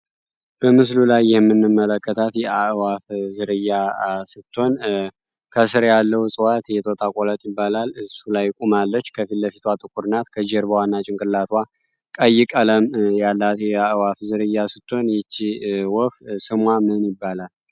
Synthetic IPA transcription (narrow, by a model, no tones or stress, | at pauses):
b̥əmɨs̬lulajːɛɛmːɨnːɨmːələkːət̪ʰat̪jɛaʔwafzɨɾɨjːasɨt̪ʰːo̞n | kʰəsɨɾjalːəwusʼɨwat̪jɛt̪ʰot̪ʼakʼolət̪ʼjɪbːalalɨzsulajkʼumalːət͡ʃːkʰəfilləfit̪ʰwat̪ʼɨkʼuɾɨnat̪kʰəd͡ʒɛɾbəwanːat͡ʃʼɪŋkʼɨlːat̪ʰwa | kʼəjːɪkʼələmjalːat̪jɛaʔwafzɨɾɨjːasɨt̪ʰːo̞njɛt͡ʃːiwɔfsɨmwamɨhɨnjɪbːalal